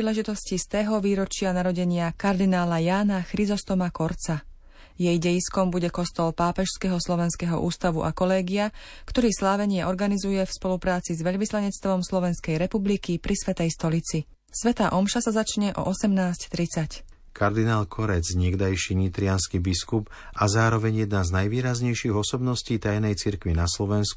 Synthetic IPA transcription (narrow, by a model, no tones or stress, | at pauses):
iːlɛʒit̪ɔscist̪ɛːɦɔʋiːɾɔt͡ʃɪanaɾɔɟɛɲɪakaɾd̪inaːlajaːnaxɾizɔst̪ɔmakɔɾt͡sa | jɛjɟɛjiskɔmbuɟɛkɔst̪ɔlpaːpɛʃskɛɦɔslɔʋɛnskɛɦɔ̰ʔuːst̪aʋuʔa̰kɔlɛːɡiakt̪ɔɾiːslaːʋɛɲɪɛʔɔɾɡanizujɛfspɔlupɾaːt͡sizʋɛʎʋislaɲɛt͡st̪ʋɔmslɔʋɛnskɛjɾɛpublikipɾʔisʋɛt̪ɛjst̪ɔlit͡si | sʋɛt̪aːʔɔmʃasazat͡ʃɲɛʔɔ̰ʔɔsɛmnaːsct̪ɾit͡sac | kʰaɾd̪inaːlkʰɔɾɛd͡zɲɛɡd̪ajʃiɲit̪ɾɪanskibiskup | azaːɾɔʋɛɲjɛd̪naznajʋiːɾazɲɛjʃiɣɔsɔbnɔsciːt̪ajnɛjt͡siɾkʋinaslɔʋɛnsku